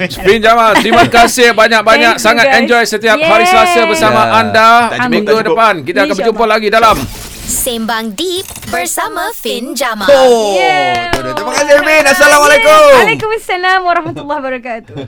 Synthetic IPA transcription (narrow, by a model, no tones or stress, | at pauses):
find͡ʒamaimankasɪhbaɲãk̚baɲãk̚saŋat̪ɛnd͡ʒɔjsət̪iap̚haɾisəlasabərsamãʔandamĩŋɡudəpankit̪aakanbəd͡ʒumpʊlaɡidalam | sembaŋdip̚bərsamãfind͡ʒamao | t̪amakasɪhbinasalamalekumlekumasalamwaɾɑhmat̪ulːahbəɾakat̪u̥